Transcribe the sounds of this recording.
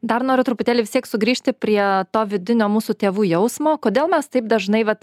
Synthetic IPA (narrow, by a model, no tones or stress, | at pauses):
d̪ɐrnoːɾʲʊt̪ɾʊpʊt̪ʲeːlʲɪʋʲɪst̪ʲiɛksʊɡɾʲiːʃʲt̪ʲɪpʲɾʲiɛt̪oːʋʲɪd̪ʲɪnʲoːmuːsut̪ʲeːʋuːjɛʊsmoːkoːd̪ʲeːlˠmʲɛst̪ɐɪp̚d̪ɐʒnɐɪʋɐt̪